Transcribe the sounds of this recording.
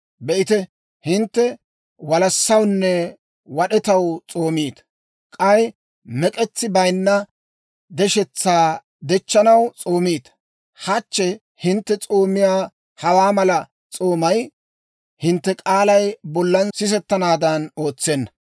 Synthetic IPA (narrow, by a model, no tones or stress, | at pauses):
bɛʔɪt̪ɛ | hɪnt̪ːɛ | wɐlɐsːɐwnːɛ | wɐɗɛt̪ɐwt͡sʼo̞ːmiːt̪ | kʼɐj | mɛkʼɛt͡sːɪbɐjnːɐ | d̪ɛʃɛt͡sːaː | d̪ɛt͡ʃːɐnɐwt͡sʼo̞ːmiːt̪ | hɐt͡ʃːɛ | hɪnt̪ːɛt͡sʼoːmːɪjaː | hɐwaːmɐlɐ | t͡sʼoːmɐj | hɪnt̪ːɛkʼaːlɐjbɔlːɐnsɪs̬ɛt̪ːɐnaːd̪ɐnoːt͡sːɛnːɐ